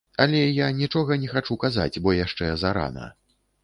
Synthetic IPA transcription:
alʲɛjanʲit͡ʂɔɣɐnʲɛxat͡ʂukaza̰t͡sʲbɔjaʂt͡ʂɛzaɾa̰nɐ̰

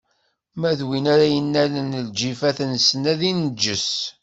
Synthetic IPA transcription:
mæðwinaɾæjənːælənəld͡ʒifæθnsnæðind͡ʒːəs

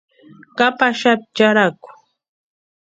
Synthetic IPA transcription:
kapaʃap̚t͡ʃaɾakʊ̥

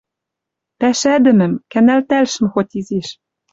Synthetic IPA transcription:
pæʃæd̪ɘ̆mɘ̆mkænælt̪ælʃɘ̆mxot̪ʲizeʃ

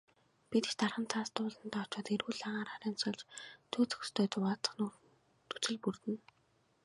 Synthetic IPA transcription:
pit̪ɘ̥̆t͡ɕt̪arχə̆nt͡sʰaːst̪ʊːɮə̆nt̪aːw̥ʰt͡ɕaːt̪erɣuːɮaʁaːɾaɾɪːnt͡sɢə̆ɮt͡ɕt̪ʰɵːt͡sɵ̥̆kst̪ʰeːt͡sʊwaːt͡sə̆χnʊː | t̪ut͡sɘ̆ɮpurt̪ɘ̆n

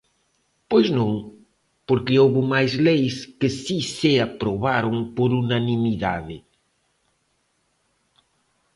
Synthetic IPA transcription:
pojznõŋ | poɾkɪoβʊmajzlejskɪsisɪapɾoβaɾoŋpoɾunanimiða̰ðɪ

